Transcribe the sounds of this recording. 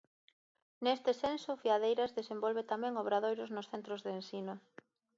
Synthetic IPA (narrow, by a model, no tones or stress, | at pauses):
nest̪ɪsensʊfiað̞ejɾazðesembɔlβet̪amɛ̃ŋoβ̞ɾaðojɾʊznʊsθent̪ɾozðensinʊ